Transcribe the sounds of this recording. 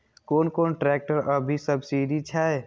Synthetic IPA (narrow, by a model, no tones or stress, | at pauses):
koːnkoːnʈɾɛːk̚ʈəɾəbʱisəbsiːɖit͡ʃʰaːe